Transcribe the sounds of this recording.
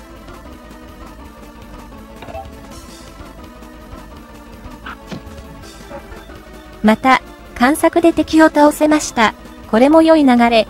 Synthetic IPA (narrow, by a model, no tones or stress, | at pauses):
mat̪a | kãɰ̃sakɯ̟d̪e̞t̪e̞kʲio̞t̪aose̞maɕi̥t̪a | ko̞ɾe̞mo̞jo̞inaɡaɾe̞